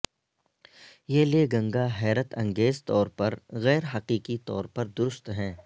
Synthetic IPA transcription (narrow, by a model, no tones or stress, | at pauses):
jeːleɡɐ̃ŋɡaɦɛːɾət̪ɐ̃ŋɡeːzt̪ɔːɾpɐɾɣɛːɾɦɐqiːqit̪ɔ̰ːɾpɐɾd̪ʊɾʊst̪ɦɛ̃ː